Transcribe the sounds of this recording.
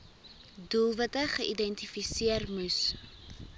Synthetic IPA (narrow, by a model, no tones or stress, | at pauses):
dulˠvətəχəʔidɛntifisiərmus